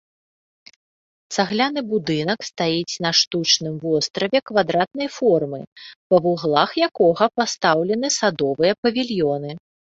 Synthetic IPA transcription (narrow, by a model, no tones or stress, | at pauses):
t̪saɣlʲanɨbud̪ɨnɐkst̪ajit͡sʲnɐʂt̪ut͡ʂnɨmvɔst̪ɾɐvʲɛkvad̪ɾat̪̚n̪ɐjfɔrmɨpɐvuɣlˠaxjakɔɣɐpast̪awlʲɛnɨsad̪ɔvɨjɐpɐvʲilʲjɔnɨ